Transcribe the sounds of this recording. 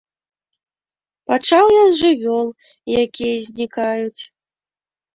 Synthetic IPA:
pat͡ʂawjazʐɨvʲɔlˠ | jakʲijɐzʲnʲikajut͡sʲ

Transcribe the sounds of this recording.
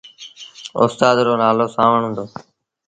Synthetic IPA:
ʊ̰st̪aːd̪ɾoːnaːloːsãːʋəɳɦʊ̃nd̪oː

